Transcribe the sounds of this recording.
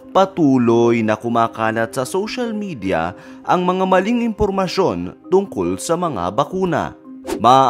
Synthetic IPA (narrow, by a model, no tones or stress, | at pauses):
pɐt̪uːlojnɐkʊmaːkaːlɐt̪̚sɐsowʃalmid̪ijɐ̰ | ʔɐŋmɐŋamɐliŋɪmpoɾmɐʃo̞nt̪ʊŋko̞lsɐmɐŋa̰bɐkuːnɐ̰ | mɐ